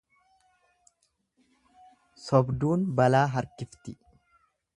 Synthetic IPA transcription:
sɔbd̪uːnbɐlaːɦɐɾkɪft̪ɪ

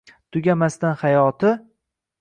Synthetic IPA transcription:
t̪ʰʊɡʲamast̪anhajɒt̪ʰɪ

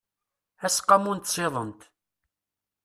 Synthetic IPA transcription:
æsqːɑmunt̪sˤeðˤənt̪

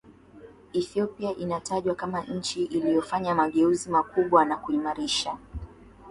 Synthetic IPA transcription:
iθiɔpiaʔinataʄwakamaɲ̩t͡ʃiʔilijɔfaɲamaɠɛuzimakuɓwanakuimaɾiʃa

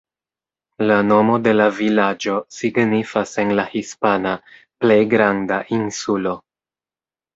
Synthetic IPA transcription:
lano̞mo̞de̞lavilad͡ʒo̞siɡnifase̞nlahispana | ple̞jɡɾandaʔinsulo̞

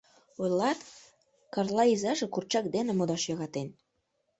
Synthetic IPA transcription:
ojlɑt̪ | kɑrlˠɑizɑʒekurt͡ɕɑk̚d̪enĕmod̪ɑʃjɑɣɑt̪en

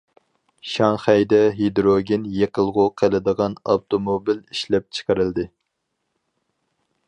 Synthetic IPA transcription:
ʃɑŋχæjd̪ɛɦed̪ɾoɡʲinjeqʰəlˠʁʊqʰəlˠɪd̪əʁɑnɑ̰t̪ʰomobiliʃlɛp̚t͡ʃʰə̥qəɾɨld̪ɨ

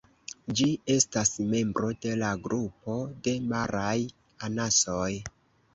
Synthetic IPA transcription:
d͡ʒie̞stasme̞mbɾo̞de̞laɡɾupo̞de̞maɾaj | anaso̞j

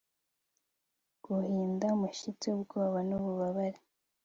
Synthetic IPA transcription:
ɡ̥uhiːndamuʃit͡seubɡo̞ːβanuβuβaβaɾe

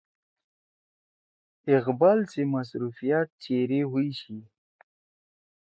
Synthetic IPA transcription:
ɪqbalsemas̬ɾufijat̪̚t͡ʃeɾeɦuiɕi

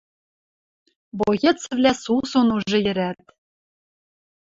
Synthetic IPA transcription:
bojɘ̆t̪t͡svlʲæsusonuʒʒɤ̆jɘ̆ɾæt̪̚

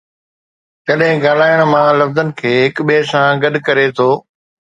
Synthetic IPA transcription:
tɐɗɦɪ̃ɡaːlaːjəɽ̃mãːlɐfzənɪ̆kʰeːɦɪkɓeːsãɡɐd̪ʱkɐɾet̪ʰoː

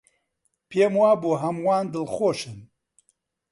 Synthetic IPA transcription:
pʰeːmwaːbuːɦɐmwaːnd̪ɨlxoːʃɨn

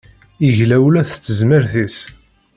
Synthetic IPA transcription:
iʝlæwlæθt͡sːəzməɾθis

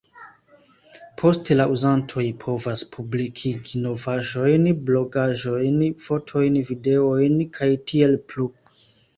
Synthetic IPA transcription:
pʰo̞stelaʔuzantʰo̞jpʰo̞vaspʰublikʰiɡino̞vaʒo̞jnblo̞ɡaʒo̞jnfo̞tʰo̞jnvide̞o̞jnkʰajtʰie̞lplu

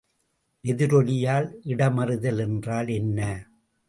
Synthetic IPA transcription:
ʔɛðɪɾɔlɪjaːlʔɪɽɐmɐrɯðɐlɛndraːlɛnːɐ

